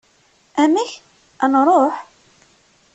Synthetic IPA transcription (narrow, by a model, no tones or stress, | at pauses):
ʔæmiç | ʔænɾˤoħ